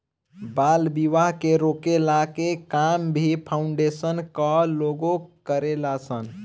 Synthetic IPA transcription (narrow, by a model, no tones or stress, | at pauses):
balbiʋaɦkeɾokelakekambʱipʰauɳɖesənkəloɡokəɾelasən